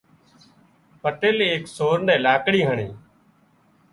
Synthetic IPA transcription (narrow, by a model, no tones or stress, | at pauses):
pəʈeːleːksoːɾnɛ̃ːlaːkɽiːɦəɳḭː